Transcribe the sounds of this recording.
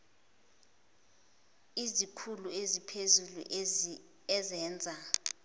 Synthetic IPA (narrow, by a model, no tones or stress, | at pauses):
izikʰuluezipʰezulṵ | ɛzɛːnd͡zʱa